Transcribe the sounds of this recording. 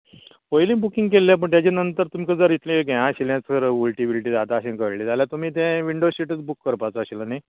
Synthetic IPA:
ojlĩːbukĩŋɡkelːap̬əɳt̪jat͡ɕenənt̪əɾt̪um̤ikəd͡zəɾit̪ʰlẽɡʱeãɕilãt͡skʰəɾulʈibiliʈ̬iːd̪at̪aəɕẽkəɾliːd͡zaljat̪um̤iːt̪̬ɛ̃ʋiɳɖoɕiʈət͡sbukːəɾpat͡səəɕiləna

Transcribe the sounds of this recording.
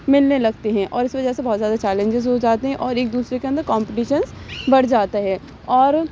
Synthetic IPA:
mɪlnelɐɡ̚t̪eɦɛ̃ʔɔːɾɪsʋɐd͡ʒəɦsebɔːt̪zjaːd̪at͡ʃɛːlẽɲd͡ʒɪzɦod͡ʒaːt̪eɦɛ̃ʔɔːɾeːk̚d̪uːsɾekeɐ̃nd̪əɾkɔ̃ːmpɪʈiːʃənzbɐɽ̤d͡ʒaːt̪aɦɛː | ɔːɾ

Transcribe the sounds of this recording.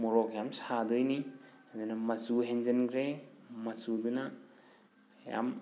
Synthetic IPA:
moɾoɡjamsadɯjni | ɐdanɐmɐsuɦend͡ʒɐnɡɾemɐsudunɐ | ja̰m

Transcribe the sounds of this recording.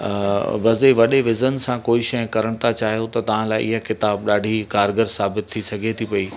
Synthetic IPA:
ʋɐzeʋɐɗeʋɪzənsãkoːiʃɐ̃kɐɾəɽ̃t̪ʰat͡ɕaːɦijot̪ɐt̪ɐʋ̤ãlaːɪʔɪɦəkɪt̪aːbɗaːɖʱikaːɾɡəɾsaːbɪt̪ʰːisɐɡʱet̪ʰipɐiː

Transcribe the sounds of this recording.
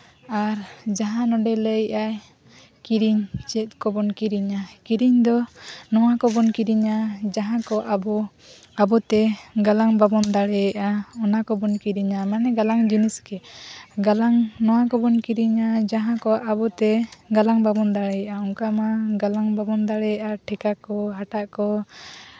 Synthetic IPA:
aɾd͡ʒaɦãnɔɖɛləjʔaj | kiɾiɲt͡ʃɛt̪̚ˀkɔbɔnkiɾiɲakiɾiɲd̪ɔnɔwakɔbɔnkiɾiɲad͡ʒaɦãkɔʔabɔ | abɔt̪ɛɡalaŋbabɔnd̪aɽɛjɛʔaɔnakɔbɔnkiɾiɲamanɛɡalaŋd͡ʒiniskɛɡalaŋnɔwakɔbɔnkiɾiɲad͡ʒaɦãkɔʔabɔt̪ɛɡalaŋbabɔnd̪aɽɛɛʔauŋkamaɡalaŋbabɔnd̪aɽɛɛʔaʈʰɛkakɔɦaʈaʔkɔ

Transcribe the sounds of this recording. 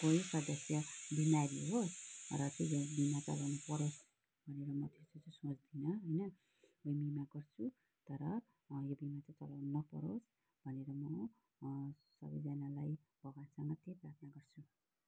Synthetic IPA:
koisʌd̪ʌsjʌbimaɾiɦosrʌt͡sejbimat͡sʌ̰lawnupʌɾos | bʱʌneɾʌmʌt̪ʰest͡sʌt͡sʌ̃sot͡sd̪inʌɦʌjnʌ | bʌjmimaɡʌrt͡sʰu | t̪ʌɾʌ | jobimat͡sat͡sʌ̰lawnnʌpʌ̰ɾos | bʱʌneɾʌmʌ | sʌ̰bʌjd͡zanalaj | b̥ʱʌɡasʌŋɡʌt̪eprat̪ʰnaɡʌrt͡sʰu

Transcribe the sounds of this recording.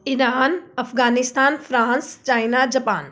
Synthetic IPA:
ɪɾaːnɐfɡaːnɪst̪aːnfɾãːnst͡ʃaːɪnad͡ʒɐpaːn

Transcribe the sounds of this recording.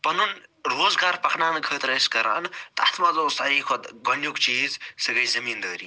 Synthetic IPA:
pɐnunɾoːzɡaːɾpɐkʰnaːnɨɡʱəːt̪ɾɐskɐɾa̰nt̪ɐ̰t̪ʰmɐzost̪ɐɾiːkʰoɡɐnjokt͡ʃiːzsɐɡɐjzɐmiːnd̪əːɾḭː

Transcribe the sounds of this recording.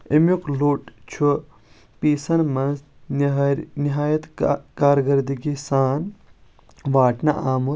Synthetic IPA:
imjukloʈt͡ʃʰu | piːsɐnmɐnz | niɦaːjɐt̪kaːɾɡɐɾd̪iɡisaːn | ʋaːʈnɐʔaːmu

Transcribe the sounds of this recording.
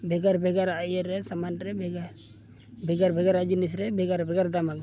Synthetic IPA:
bʱɛɡaɾbʱɛɡaɾajɛɾɛsamanɾɛbɡ | bʱɛɡaɾbʱɛɡaɾad͡ʒinisɾɛbʱɛɡaɾbʱɛɡaɾd̪amaɡ

